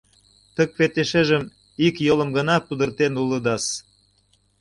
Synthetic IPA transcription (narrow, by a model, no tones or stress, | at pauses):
t̪ək̚βet̪eʃeʒə̆m | ikjolə̆mɡə̆nɑpud̪ə̆rt̪enulə̆d̪ɑs